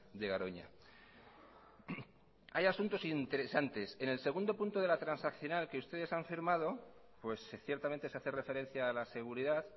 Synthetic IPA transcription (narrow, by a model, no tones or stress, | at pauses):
d̪e̞ɣaɾo̞ɲa̰ | ajasunt̪o̞sint̪e̞ɾe̞sant̪e̞se̞ne̞lse̞ɣ̞und̪o̞punt̪o̞ðe̞lat̪ɾansakθjo̞nalkeust̪e̞ð̞e̞saɱfiɾmað̞o̞ | pwe̞sθje̞ɾt̪ament̪esaθere̞fe̞ɾe̞n̟θjaːlase̞ɣ̞uɾiðað